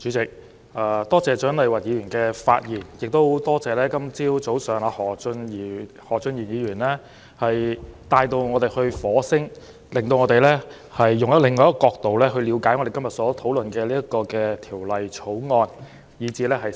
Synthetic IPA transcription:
t͡ʃyː˨˥t͡sɪ˨k̚ | ʔaː˨˧t̪ɔː˥t͡sɛː˨˧t͡ʃœː˨˥nlɐ˨jwɐ˨t̚jiː˨˧˥ɥyː˨˩nkɛː˧fa̰ː˧t̚jiː˨˩njɪ˨k̚t̪o˥wt̪ɔː˥t͡sɛː˨˧lɛː˥kɐ˥mt͡siː˥wt͡so˨˥wsœː˨˩ŋaː˧hɔː˨˩˧ni˨˧ | hɔː˨˩t͡ʃɵ˧nji˨˩njiː˨˧ɥyː˨˩nlɛ˥ | hɐ˨jt̪aː˧jt̪o˧wŋɔː˨˧t̪e˨˩jhɵ˧ɥfɔː˨˥sɪ˥ŋ | lɪ˨ŋt̪o˧wŋɔ˨˧t̪e˨jlɛː˥ | hɐ˨jːʊ˨ŋjɐ˥t̚lɪ˨˩ŋːɔː˨˧jɐ˥kɔː˧k̚t̪o˨wlɛː˥ɦɵ˧liː˨˧wkaː˨˥jŋɔ˨˧ɾe˨jkɐ˥mjɐ˨t̚sɔː˨˥t̪ʰo˨˥wlɵ˨nkɛː˧liː˥jɐ˥kɔː˧kɛː˧t̪ʰiː˨˩wlɐ˨jʰo˨˥wŋɔː˧n | jiː˨˧˥t͡siː˧lɛː˥ɦɐ˨j

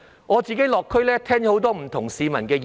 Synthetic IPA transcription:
ŋɔː˨˧t͡siː˨ke˨˥jlɔː˨kʰːɵ˥jlɛː˥t̪ʰɛː˥ŋja˨˧ho˨˥wt̪ɔː˥m̩˨˩t̪ʰʊ˨˩ŋsiː˨˧mɐ˨˩nkɛː˧j

